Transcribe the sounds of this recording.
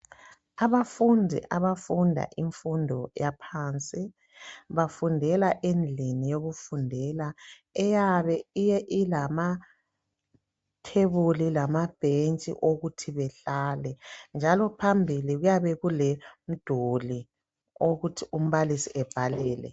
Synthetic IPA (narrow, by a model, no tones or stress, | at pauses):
aβafundʱḭʔaβafundʱa̰ʔiɱfundʱɔjapʰant͡sʼi | βafundʱɛlaʔend͡ɮʱinijoɣufundʱɛla | ɛjaβɛijɛʔilama | tʰeβulilamab̥ʱent͡ʃʼḭʔoɣutʰiβɛɬalɛnd͡ʒʱalɔpʰambʱiliɣujaβɛɣulem̩d̥ʱoli | oɣutʰium̩βalisiʔɛb̥ʱalɛːlɛ̰